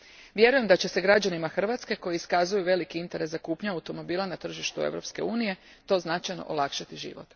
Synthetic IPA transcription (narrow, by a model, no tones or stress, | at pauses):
ʋje̞ɾuje̞md̪at͡ɕe̞se̞ɡɾad͡ʑanimaxr̩ʋat̪ske̞ko̞jiiskazujuʋe̞likiint̪e̞ɾeszakuːpɲaaut̪o̞mo̞biːlˠanat̪r̩ʒiʃt̪ue̞̰ʋɾo̞pske̞̰uːnije̞ | t̪o̞znat͡ʃajno̞̰ʔo̰lˠakʃat̪iʒḭʋo̞̰t̪